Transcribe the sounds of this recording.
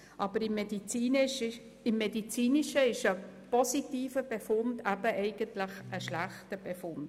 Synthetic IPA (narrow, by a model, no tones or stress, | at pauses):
ʔɑːb̥əɾɪmːediiːnʃ | ɪmːedit͡siːniʃəɪʃəpɔsitiːfəb̥efʊndæbəʔɛɪɡ̥əntlɪχəʃlæχtəb̥efʊnd